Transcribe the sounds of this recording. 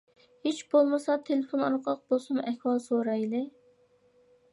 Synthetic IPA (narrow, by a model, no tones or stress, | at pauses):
het͡ʃb̥olˠmɨsɑt̪ʰelɪfonɑɾqʰɑq̚b̥olˠsumɛhʲwɑlˠsoɾɑjlˠɪ